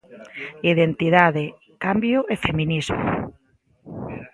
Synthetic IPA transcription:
iðent̪iðaðe | kambjʊʔefemĩnizmʊ̰

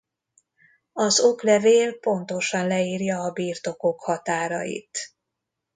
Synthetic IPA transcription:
ɒzo̞klɛveːlpo̞nt̪o̞ʃɒnlɛiːrjɒːbiːrt̪o̞kokhɒt̪aːɾɒ̰jḭt̪

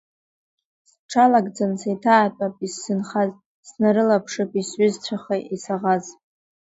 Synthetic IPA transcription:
s | ʈ͡ʂʰalaɡʼd͡zansajtʰaːtʼapʼisːɨnχaz | snaɾɨlapʰʂɨpʼisɥʏzt͡sʷʰaχeʔisaʁaz

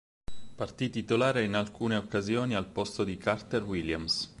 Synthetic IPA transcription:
part̪it̪it̪olaːɾeinalkuːneokːazjoːnialpost̪od̪ikart̪erwiljams

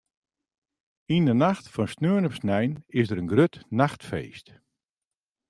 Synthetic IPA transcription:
indənaxtfɔnsnøəɹnɔpsnɛjnɪsdəɾənɡrøtnaxtfḛːst

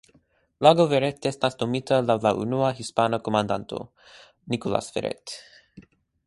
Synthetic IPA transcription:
laɡoveɾet̪jest̪nast̪omit̪əlawlaʔṵnuaɦispanəkomand̪a̰nt̪ʰo̰ | nikola̰sfḛɾḛt̪

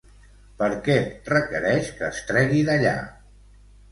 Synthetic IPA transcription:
pəɾkɛrəkəɾɛʃkəːst̪ɾɛɣiðəʎa̰

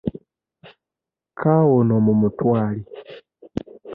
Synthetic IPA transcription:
kʰaːwonomumutwaːli

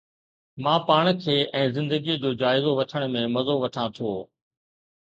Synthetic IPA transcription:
mãːpaːɽ̃kʰeːʔɛ̃ːzɪ̃nd̪əɡid͡ʑoːd͡ʑaːɪzoʋɐʈʰəɽ̃mẽmɐzoʋɐʈʰãt̪ʰoː

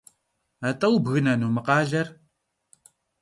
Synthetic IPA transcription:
atʼɐwbɣɨnɐnuːmɨqɑːɮɐr

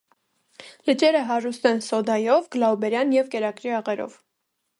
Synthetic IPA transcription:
lət͡ʃɛɾəɦɑrust̪ɛnsɔd̪ɑjɔvɡ̥əlɑubɛɾjɑnjɛvkɛɾɑkɾiɑʁɛɾɔ̰v

